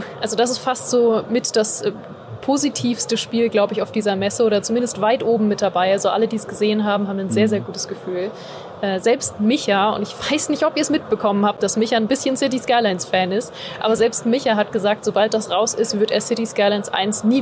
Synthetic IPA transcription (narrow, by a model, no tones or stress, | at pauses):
ʔalzodas̬ɪstfastz̥oːmɪtd̥as | pʰozitʰiːfstəʃpiːlɡlaʊbəɪçaʊfd̥iːzɐmɛsəoːɾɐt͡sumɪndəstv̥aɪtʔoːbm̩mɪt̚d̥abaɪalzoʔa̰lədiːsɡ̥əzeːənɦaːbm̩haːbm̩nzeːɐzeːɐɡuːtəsɡ̥əfyːl | ʔɛːzɛlpst̚mɪçaʊ̰ntɪçv̥aɪsnɪçtɔpiːɐɛsmɪt̚b̥əkʰɔmənhaːp̚t̚d̥asmɪçanbɪsçənsɪt̬iskaɪlaɪnsfɛːnɪstʔaːbɐzɛlpstmɪçaɦat̚ɡ̥əzaːk̚tz̥obalt̚d̥asʁaʊsɪstv̥ɪɐteːɐsɪtiskaɪlaɪnsʔa̰ɪnsniː